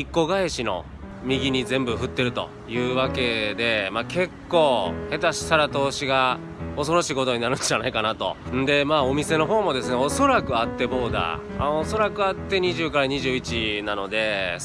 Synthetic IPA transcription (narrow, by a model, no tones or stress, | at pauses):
ikːo̞ɡaeɕino̞̰ | mʲiɡʲiɲ̟izẽ̞mbɯ̟ɸɯ̟t̪ːe̞ɾɯ̟t̪o̞̰ | jɯ̟ːβake̞d̪e̞maːkʰe̞kːo̞ːhe̞t̪aɕi̥saɾat̪o̞ːɕiɡa | o̞so̞ɾo̞ɕiːko̞t̪o̞ɲ̟inaɾɯ̟nd͡ʑanaikanat̪õ̞̰ | nd̪e̞maːomʲise̞no̞ɦo̞ːmo̞d̪e̞sɨneoso̞ɾakɯ̟at̪ːe̞bo̞ːd̪a̰ː | oso̞ɾakɯ̟at̪ːe̞ɲ̟iʑɨːkaɾaɲ̟iʑɨːit͡ɕinano̞d̪e̞